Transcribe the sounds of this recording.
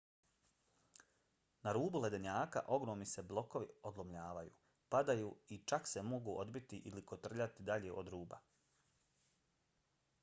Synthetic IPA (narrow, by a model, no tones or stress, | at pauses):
naɾuːbule̞d̪eɲaːka̰ʔo̞ɡɾoːmnise̞blˠo̞ko̞ʋḭo̞d̪lˠomʎaːʋajṵː | pad̪ajuːit͡ʃakse̞mo̞ɡuʔod̪bit̪iʔilikot̪r̩ʎat̪id̪aʎeʔo̞d̪ɾuːba̰